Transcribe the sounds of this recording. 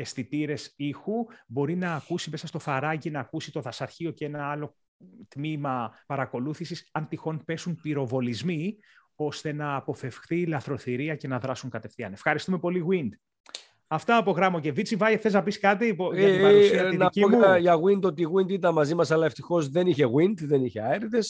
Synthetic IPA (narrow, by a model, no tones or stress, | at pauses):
e̞st̪it̪iɾe̞sixubo̞ɾinɐːkusime̞sɐst̪o̞θɐɾɐʝinɐːkusit̪o̞ðɐsɐɾçio̞cenɐɐlo̞ | t̪mimɐpɐɾɐko̞luθisisɐnt̪ixo̞npe̞sunpiɾo̞vo̞lizmi | o̞st̪e̞nɐːpo̞fe̞fxθilɐθɾo̞θiɾiɐce̞nɐðɾɐsuŋkɐt̪e̞fθiɐ̰ne̞fxɐɾist̪ume̞po̞liɣwind̪ | ɐft̪ɐːpo̞ɣɾɐmoce̞vit͡sivɐjeθe̞znɐpiskɐt̪ipoɐt̪ɐusinɐciomuɐʝɐɣwind̪o̞t̪iɣwind̪it̪ɐnmɐzimɐsɐlɐeft̪ixo̞zðe̞niçe̞ɣwind̪ðe̞niçeɐeɾit̪es